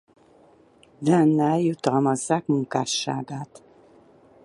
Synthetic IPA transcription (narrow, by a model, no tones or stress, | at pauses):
vɛnːɛjut̪ɒlmɒzːaːkmuŋkaːʃːa̰ːɡaːt̪